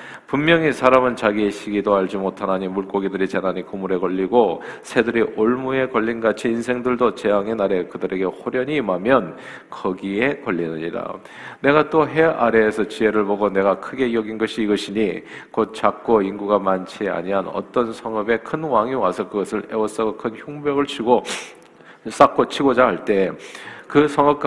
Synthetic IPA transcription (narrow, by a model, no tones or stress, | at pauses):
pumːjʌŋisʰaɾamɯnt͡ɕaɡie̞ɕʰiɡidoɦaɭd͡ʑimotʰanaɲimuɭk͈oɡidɯɾit͡ɕenaɲikomuɾe̞kʌʎːiɡosʰe̞dɯɾiʔoɭmue̞kʌʎːinɡat͡ɕʰiːnsʰe̞ŋdɯɭdot͡ɕe̞jaŋenaɾe̞kɯdɯɾe̞ɡe̞hoɾjʌɲiːmamjʌn | kʌɡie̞kʌʎːinɯɲḭɾa̰ | ne̞ɡat͈oɦe̞aɾe̞ːsʰʌt͡ɕie̞ɾɯɭboɡone̞ɡakʰɯɡe̞ijʌɡinɡʌɕʰiːɡʌɕʰiɲi | kot̚t͡ɕ͈ak̚k͈oiŋɡuɡamant͡ɕʰia̰ɲiɦanʌ̰t͈ʌnsʰʌŋʌbe̞kʰɯnwaŋiwasʰʌkɯɡʌsʰɯɭe̞wʌs͈aɡokʰɯnçoŋbjʌɡɯɭt͡ɕʰiɡo | s͈ak͈ot͡ɕʰiɡod͡ʑaɦaɭt͈e̞kɯsʰʌŋʌp̚k͈